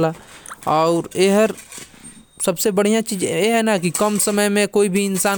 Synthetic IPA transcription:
laɔʊɾeɦəɾ | sɐbsebɐɽ̤ijãt͡ʃiːd͡ʒjeɦɛnakikəmsəməjmẽkoːibʱiɪnsaː

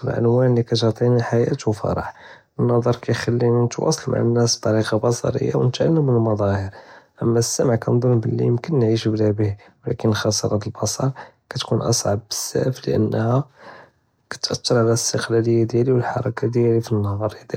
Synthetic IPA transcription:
ə̰lʕə̰nwænlikæt̪ʕt̪ˤinəlħajæt̪wfɑ̰ɾˤɑħ | ənːɑd̪ˤəɾˤkæjxælːinət̪wɑ̰sˤɑlma̰ʕanːæsb̥̚t̪ˤːɑɾiqɑbɑsˤɑ̰ɾə̰jːa̰wnət̪ʕalːəmːənəlmɑd̪ˤɑhəɾʔəmːæsːæmʕkænd̪ˤumbəlːḭjəmkənːʕiʃblæbih | wlækənːxɑsˤəɾˤɑd̪əlbɑsˤɑɾˤ | kæt̪kunʔɑ̰sˤʕɑbːə̥sːæ̰flə̰ʔə̰nːhæ | kæ̥t̪ʔɑt̪ːəɾˤʕalæst̪əqlæləjːad̪jæliwəlħɑɾˤɑkad̪jælifinːhɑɾˤjæd̪

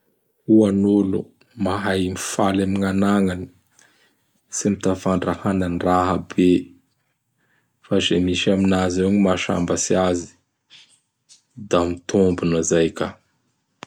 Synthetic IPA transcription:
uanulṵ | maɦajmifalamiŋanaŋani̥ | simit̪afaɳɖ͡ʐahananraɦəbe | fazemiʃaminazeɲimaʃa̰mbasiazi̥ | d̪amit̪ʰombunazajka

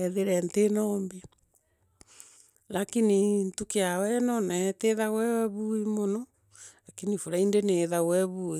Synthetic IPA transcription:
ɛðeɾɛntenɔmbi | lakinintukeawɛnɔnateðaɣwɛβuimonɔ | lakinifoɾaindeneðaɣwɛβui

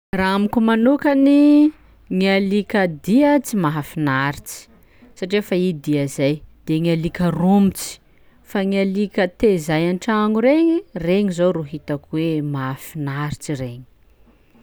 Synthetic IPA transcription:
raamikʲumanukani | ŋialikʲad̪iat͡simaɦafinaɾit͡si̥ | saʈ͡ʂiefaid̪iazajd̪̥eŋialikʲərumit͡si̥ | faŋialikʲət̪ezajanʈ͡ʂaŋuɾeŋireŋizoɾuɦit̪akuwemaafinaɾit͡sireŋi̥

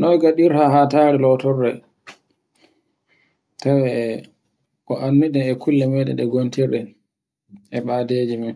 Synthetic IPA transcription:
nɔjɡaɗiɾhaɦataːɾilɔtɔrːɛ | tawɛ | kɔʔanːiɗɛɛkʰulːɛmɛɗɛ̰ɗɛɡontiɾɗɛ | ʔɛɓadeːd͡ʒimin

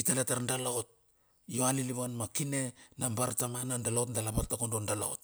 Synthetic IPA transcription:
italetaɾndalaot̚ | jo̞aliliβanmakine̞nambaɾtamanandalaotndalapaɾtakondondala̰ot

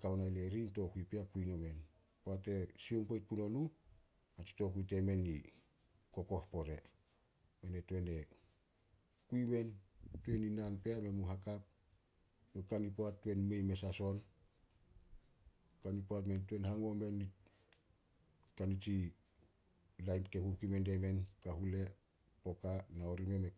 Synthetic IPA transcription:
kawnajleɾinto̞kuipeakujŋome̞n | poate̞sioŋpojt̚puno̞nu | at͡ʃi̥to̞kuite̞me̞nːi | ko̞ko̞hpo̞ɾe̞̰ | menetue̞ne̞ | kuime̞ntue̞ninanpeame̞muɦakap̚ | nokanipoatːue̞nme̞jmesaso̞n | kanipoatmentuenhaŋo̞menːi | kanit͡ʃi | lajnkehukimendeme̞nkaɦule̞ | po̞kanaoɾime̞me

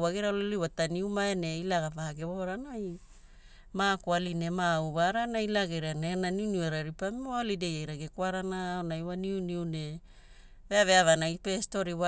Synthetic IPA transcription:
waɡeɾaloliwataniumaene̞ilaɡavaɡeβoɾanaj | makwaline̞mauβaɾanailaɡeɾanenaniuniueɾaɾipamiaolidejajɾaɡekwaɾanaonajwaniuniune̞ | veaveavanaipesto̞ɾiwa

